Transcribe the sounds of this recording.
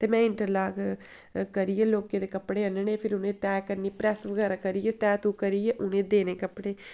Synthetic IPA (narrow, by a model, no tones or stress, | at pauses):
t̪eːmɛ̃ːɪɳʈəɾlaːɡ | kəɾieːloːkeːd̪eːkəpːɽeːənənẽːpʰɪɾʊnẽːt̪ɛːkəɾniːpɾɛːsʋəɡɛːɾaːkəɾijeːt̪ɛːt̪ũːkəɾiːeːʔʊnẽːd̪eːneːkəpːɽeː